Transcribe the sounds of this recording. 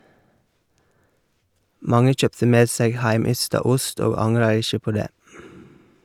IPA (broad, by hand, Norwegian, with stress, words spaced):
ˈmɑŋə ˈc͡çœptə ˈmeːd ˈseːɡ ˈhæɪˌmʏstɑ ˈʊst ˈoːɡ ˈɑŋɾɑ ˈɪʃə ˈpoː ˈdeː